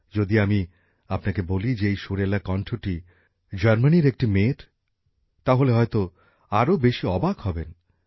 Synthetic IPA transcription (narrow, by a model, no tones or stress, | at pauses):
d͡ʑod̪iami | apnakebolid͡ʑeejʃoɾelakɔɳʈʰoʈi | d͡ʑaɾmaniɾek̚ʈimeɾ | t̪aɦoleɦɔet̪o | aɾobeʃiɔbakhɔben